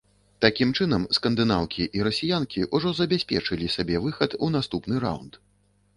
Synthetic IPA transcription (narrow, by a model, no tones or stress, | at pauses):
t̪akʲimt͡ʂɨnɐmskɐnd̪ɨnawkʲiʔiɾɐsʲijankʲiʔuʐɔzɐbʲasʲpʲɛ̰t͡ʂɨlʲisʲabʲɛvɨxɐt̪un̪ast̪upnɨɾa̰wnt̪